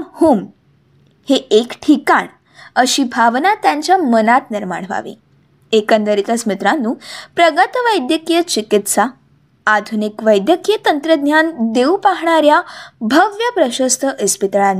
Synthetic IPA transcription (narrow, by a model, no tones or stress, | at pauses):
huːm | heekʈʰikaɳ | əɕiːbʱaʋnat̪jaɲt͡ɕjamənat̪niɾma̰ɳʋa̰ʋḭ̃ | ekənd̪əɾit̪əsmit̪ɾanːuːpɾəɡət̪ʋəjd̪jəkijət͡ɕikit̪saː | d̪ʱunikʋəjd̪jəkijət̪ənt̪ɾəd̪ʱɲjand̪eupaɦɳaɾjabʱəʋjəpɾəɕəst̪ʰəʔəspit̪ɭanː